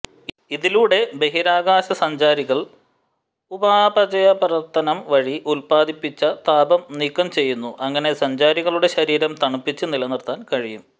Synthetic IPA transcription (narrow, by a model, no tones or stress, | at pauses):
iðiluɽe̞be̞ɦiɾaːɡaːɕɐsɐɲd͡ʑaːɾiɣɐɭ | ubabɐd͡ʑɐjɐpɐɾɐrt̪ːɐnɐmʋɐɻiʔulpaːd̪ipːit͡ɕːɐt̪aːbɐmniːkːɐmt͡ɕe̞jːunːuʔɐŋːɐne̞sɐɲd͡ʑaːɾiɣɐɭuɽe̞ɕɐɾiːɾɐmt̪ɐɳupːit͡ɕːɨnilɐnirt̪aːnkɐɻijum